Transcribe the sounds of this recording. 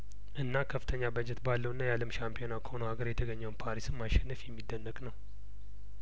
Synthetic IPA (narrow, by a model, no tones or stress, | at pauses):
ʔɨnːakʰəfːɨt̪ʰəɲːabəd͡ʒɛt̪balːəwɨnːajaləmʃampʰijo̞nakʰə̥ho̞nəhaɡəɾjɛt̪ʰəɡəɲːəwnpʰaɾisɨmːaʃɛnːəfjɛmːid̪ːənːəkʼnəw